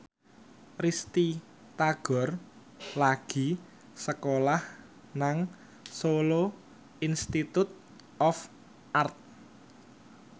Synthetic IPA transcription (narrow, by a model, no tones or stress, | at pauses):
rist̪i | t̪aɡ̥ɔ̤r | laɡ̥i̤ | səkolah | naŋ | solo | inst̪it̪ut̪̚ | ɔf | ʔart̪̚